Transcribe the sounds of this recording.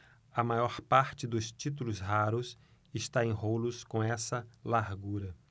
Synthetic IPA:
ɐmajɔɾpaɾt͡ʃɪd̪ʊst͡ʃit̪̬ulʊsɦaɾʊs | ɪst̪aẽɦolʊskõɛsɐlaɾɡuɾɐ

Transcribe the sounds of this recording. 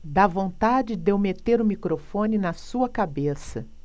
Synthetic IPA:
d̪avõnt̪ad͡ʒɪd̪ewmet̪eɾʊmikɾofõnɪnɐsuɐkabesɐ

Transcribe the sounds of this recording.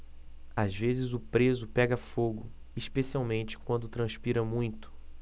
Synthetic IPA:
azvezɪzʊpɾezʊpɛɡɐfoɡʊ | iʃpesiawmẽnt͡ʃɪ̥kwɐ̃nd̪ʊt̪ɾɐ̃spiɾɐmũj̃t̪ʊ̥

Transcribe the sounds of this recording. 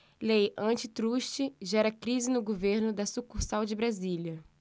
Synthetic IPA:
lejʔɐ̃t͡ʃɪt̪ɾuʃt͡ʃɪʒɛɾɐkɾizɪnʊɡoveɾnʊd̪ɐsukuɾsawd͡ʒɪbɾaziljɐ

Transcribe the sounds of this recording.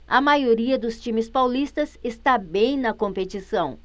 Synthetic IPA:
ɐ̰majoɾiɐd̪ʊst͡ʃĩmɪspawlist̪ɐzest̪abẽj̃nɐkõmpet͡ʃisɐ̃w̃

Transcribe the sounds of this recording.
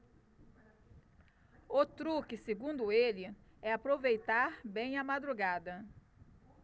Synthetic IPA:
ot̪ɾukɪseɡũd̪ʊelɪɛapɾovejt̪aɾbẽj̃ɐmad̪ɾuɡad̪ɐ

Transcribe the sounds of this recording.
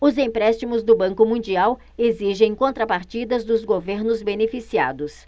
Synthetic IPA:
ʊzẽpɾɛst͡ʃimʊzd̪ʊbɐ̃kʊmũd͡ʒiaw | eziʒẽj̃kõnt̪ɾɐpaɾt͡ʃid̪ɐzd̪ʊzɡoveɾnʊzbenefisia̰d̪ʊs

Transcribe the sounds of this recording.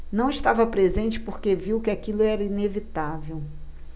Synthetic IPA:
nɐ̃w̃ɪʃt̪avɐpɾezẽnt͡ʃɪ̥poɾkeviwkɪakilʊɛɾɐinevit̪avew

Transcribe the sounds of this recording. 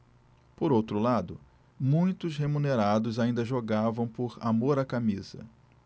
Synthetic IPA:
poɾowt̪ɾʊlad̪ʊ | mũj̃t̪ʊshemũneɾad̪ʊzaĩnd̪ɐʒoɡavɐ̃w̃pʊɾamoɾakamizɐ̰

